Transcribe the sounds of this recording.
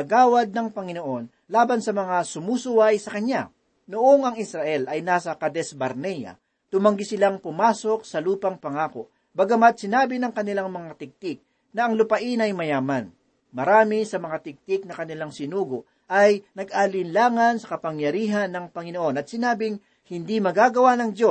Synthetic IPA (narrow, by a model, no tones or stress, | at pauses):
ɐɡaːwɐd̪̚nɐŋpɐŋɪno̞ʔo̞n | laːbɐnsɐmɐŋasʊmuːsʊwajsɐkɐɲja | noʔoŋɐŋɪsɾɐʔɛlɐjnaːsɐkɐd̪ɛsbɐɾnɛjɐ̰ | t̪ʊmɐŋɡɪsɪlaŋpʊmaːso̞k̚sɐluːpɐŋpɐŋaːko̰ | bɐɡɐmat̪̚sɪnaːbɪnɐŋkɐnɪlaŋmɐŋat̪ɪɡ̚t̪ɪk̚ | nɐʔɐŋlʊpɐʔinɐjmɐjaːmɐn | mɐɾaːmɪsɐmɐŋat̪ɪk̚t̪ɪk̚nɐkɐnɪlaŋsɪnuːɡo | ʔɐjnɐɡ̚ʔalɪnlaːŋɐnsɐkɐpɐŋjɐɾiːɦɐnːɐŋpɐŋɪnoʔo̞nɐt̪̚sɪnaːbɪŋ | hɪnd̪imɐɡaːɡɐwanɐŋd̪jo̞